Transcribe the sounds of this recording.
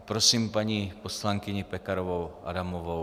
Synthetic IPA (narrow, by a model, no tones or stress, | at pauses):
pɾosiːmpaɲiposlaŋkɪɲɪpɛkaɾovowʔa̰damovo